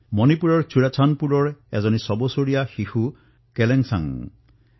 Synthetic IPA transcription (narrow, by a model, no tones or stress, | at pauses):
mɔnipuɾɔɹt͡ɕʰuɾat͡ʃʰanpuɾɔɹɛzɔnisɔbosoɾijaxihu | keleŋsa̰ŋ